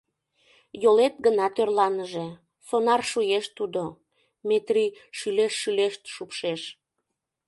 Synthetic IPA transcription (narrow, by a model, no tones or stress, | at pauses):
jolet̪ɡənɑt̪ørlɑnəʒe | sonɑrʃujeʃt̪ud̪o | met̪riʃyleʃʃyleʃt̪ʃupʃeʃ